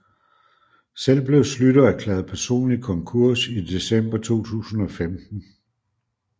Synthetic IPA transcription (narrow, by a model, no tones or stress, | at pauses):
sel̰b̥le̝ʊslyɾ̥ɐækʰlɛːð̩ˠpʰæɐso̝̰ːnlikʰɒ̽ŋkʰuɐ̰sid̥e̝sem̰b̥ɐt͡sʰo̝̰ːt͡sʰṵːsn̩ɒ̽femd̥n̩